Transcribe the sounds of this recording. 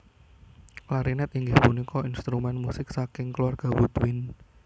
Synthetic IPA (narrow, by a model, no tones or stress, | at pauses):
klaɾinɛt̪̚iŋɡɪhpunikɔinst̪ɾumɛnmusɪk̚sakɪŋkluarɡ̥a̤wud̪wɪn